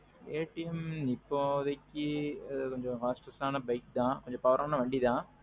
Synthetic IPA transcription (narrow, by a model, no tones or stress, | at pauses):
eːʈijɐmnipːoðɐkʲːiɐðkɔɲd͡ʒõfaːsʈɐsaːnɐbɐjkd̪ãːkoɲd͡ʒɔ̃pɐʋɐɾʔmaːnɐʋɐɳɖid̪ãː